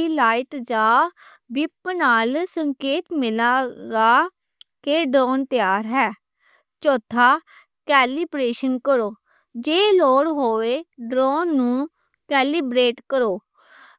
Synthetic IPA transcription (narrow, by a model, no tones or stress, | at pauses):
ilaːɪʈd͡ʒaː | bɪpnaːlsəŋkeːt̪mɪlaːɡaː | keːɖɾɔːnt̪ɪjaːɾɦɛː | t͡ʃɔːt̪ʰaː | kɛːlɪbɾeːʃənkəɾoː | d͡ʒeːloːɽɦoːʋeːɖɾɔːnːũː | kɛːlɪbɾeːʈkəɾoː